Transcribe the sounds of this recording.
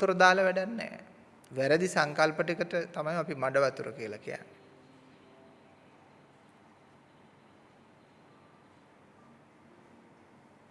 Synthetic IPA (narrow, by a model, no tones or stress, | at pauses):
uɾəd̪aːləʋæɖanːɛ̰ː | ʋæɾəd̪isaŋkalpəʈikəʈət̪amajmapimaɖəʋat̪uɾə̰kiəlakija̰nː